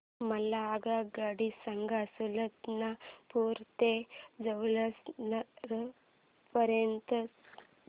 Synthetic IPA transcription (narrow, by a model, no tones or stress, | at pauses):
mɐlaːɡaɡaɽisaŋɡasulɐt̪napuːɾt̪ed͡zəwlɐsnaɾə | pəɾjənt̪ə